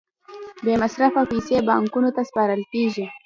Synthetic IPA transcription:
bemasɾafapisebɑŋkunot̪aspɑɾəlkeʒi

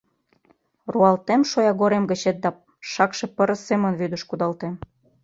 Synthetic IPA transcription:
ruɑlt̪emʃojɑɣoɾemɡə̆t͡ɕet̪̚d̪ɑ | ʃɑkʃĕpə̆ɾə̆semə̆nβyd̪ə̆ʃkud̪ɑlt̪em

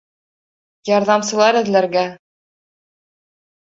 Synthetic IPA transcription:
jɑɾðɑmsɤ̆lˠɑɾɘ̆ðlæɾɡæ

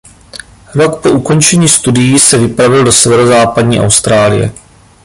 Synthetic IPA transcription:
ɾo̞kpo̞ʔuko̞nt͡ʃɛɲiːst̪udɪjiːsɛvɪpɾavɪldo̞sɛvɛɾozaːpadɲiːʔa̰wst̪ɾaːlɪ̰jɛ̰

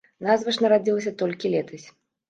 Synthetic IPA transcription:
nazvɐʂnɐɾad͡zʲilˠɐsʲɐt̪ɔlʲkʲilʲɛt̪ɐsʲ

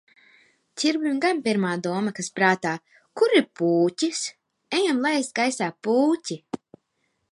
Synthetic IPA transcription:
t͡ʃʲiɾbimɡampʲiɾmaːd̪uɔmakaspɾaːt̪aː | kuɾipuːcʲis | ɛjamlˠaɛsɡajsaːpuːcʲi

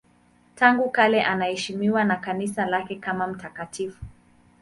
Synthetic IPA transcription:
taŋɡukalɛʔanahɛʃimiwanakanisalakɛkamam̩takatifu̥

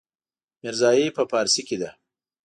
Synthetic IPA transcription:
mɪɾzɑːjepəpɑːɾsiked̪a

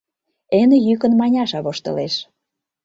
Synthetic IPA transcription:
enĕjykə̆nmɑnʲɑʃɑβoʃt̪ɤ̰̆leʃ

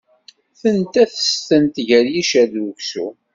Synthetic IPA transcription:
θənt̪æθə̥st̪ənt̪ʝəɾjiʃæðɾuksu

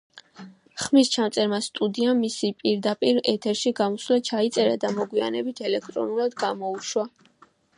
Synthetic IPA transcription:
χmist͡ʃʰamt̪sʼɛɾmast̪ʼud̪iamːisipʼiɾd̪apʼiɾɛt̪ʰɛɾʃiɡamɔslat͡ʃʰait̪sʼɛɾad̪amɔɡwia̰nɛbit̪ʰɛlɛk̚ʰt̪ʼɾɔ̰nulˠad̪ɡamɔuʃwa

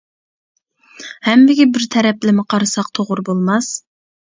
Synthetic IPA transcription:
hɛmːɪɡʲibɪɾt̪ʰɛɾɛplɪmɪqʰɑɾɨsɑq̚t̪ʰoʁʊɾbolˠmɑs

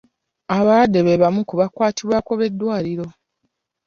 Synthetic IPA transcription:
aβaɾadːe̞βe̞βamukuβakwaːtiβwaːko̞βe̞dːwaːliɾo̞

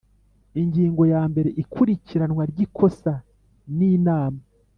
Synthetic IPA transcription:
iɲɟiːŋɡo̞jaːmbe̞ɾe̞ʔikʰuɾiciɾanwaɾɟikʰo̞sa | niːnaːma

